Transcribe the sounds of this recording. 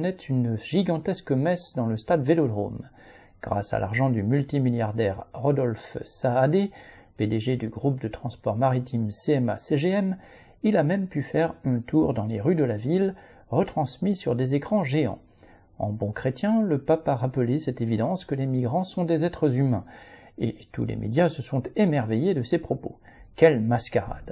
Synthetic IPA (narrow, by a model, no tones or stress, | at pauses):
nɛt̪ʰynʒ̥iɡɑ̃t̪ɛskəmɛsd̪ɑ̃ləst̪ad̪velod̪ʁo̰m | ɡ̥ʁa̰sa̰lʔa̰ʁʒɑ̃d̪ymylt̪imiljaʁd̪ɛʁʁɔd̪ɔlfsaːd̪e | ped̪eʒed̪yɡʁup̚d̪ət̪χɑ̃spɔʁmaʁit̪imseɛma̰seʒeɛm | ilamɛmpyfɛʁɛ̃t̪ʰuʁd̪ɑ̃leʁyd̪əlavil | ʁət̪χɑ̃smisyʁd̪ezekχɑ̃ʒeɑ̰̃ | ɑ̰̃bɔ̃kχet̪jɛ̃ləpapaʁapəlesɛt̪evid̪ɑ̃skəlemiɡʁɑ̃sɔ̃d̪ezɛt̪χəzymɛ̰̃et̪ṵlḛmḛd̪jasəsɔ̃t̪emɛʁvejed̪əsepχɔpo̰ | kɛlmaskaʁa̰d̪̥